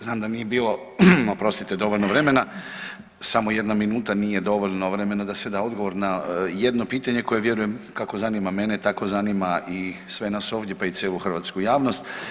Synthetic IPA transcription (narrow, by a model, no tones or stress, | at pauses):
znaːmd̪anije̞biːlˠo̞ | opɾo̞st̪it̪ed̪o̞ʋoʎʲnoʋɾe̞me̞na | samo̞je̞d̪naminuːt̪anije̞d̪o̞ʋoʎnoʋɾe̞me̞nad̪ased̪ao̞d̪ɡo̞ʋo̞ɾnajed̪no̞piːt̪aɲe̞ko̞je̞ʋje̞ɾujemkako̞zanimame̞net̪ako̞zanimaisʋe̞naso̞ːʋd̪je̞pait̪sʲjeːluxr̩ʋaːt̪skujaːʋno̞st̪